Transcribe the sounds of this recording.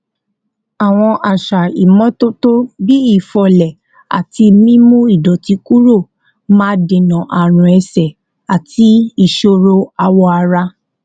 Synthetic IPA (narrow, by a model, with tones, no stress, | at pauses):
a˨w̃ɔ̃˧ʔa˨ʃa˨i˨mɔ̃˨˦to˦to˦bi˦i˦˨fɔ˧lɛ˨ | a̰˨ti˧mĩ˦mũ˦i˦˨dɔ˨ti˧ku˦ɾo˦˨ | mãː˦dẽ˨nã˨ʔa˨ɾ̃ũ˨ɛ˧sɛ˨ | a˨tʰi˦i˦˨ʃo˧ɾo˧a˧wɔ˧a˧ɾa˧